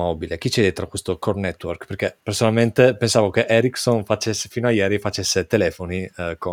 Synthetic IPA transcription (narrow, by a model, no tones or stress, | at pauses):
ɔbilek̟it͡ʃɛːd̪et̪ɾakwest̪okornɛt̪ːwɔrkperkepːersonalment̪epensaːvok̟eʔɛɾiksonfat͡ʃesːefiːnoajɛːɾifat͡ʃesːet̪elɛːfoniko